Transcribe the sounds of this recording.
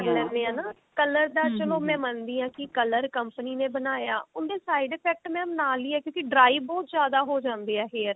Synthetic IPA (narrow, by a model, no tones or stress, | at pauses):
lɛ̃ːnd̪eːãːnaː | kələɾd̪aːt͡ʃəloːmɛ̃ːmənd̪iːɦãːkɪkələɾkəmpəniːnẽːbənaːja̰ːʔʊnd̪eːsaːiɖeːpʰɛːk̚ʈmɛ̃ːmnaːliːɛːkjõːkiɖɾaːiʋbɔːt̪zjaːd̪aːɦoːd͡ʒãːnd̪eːɛːɦeːɾ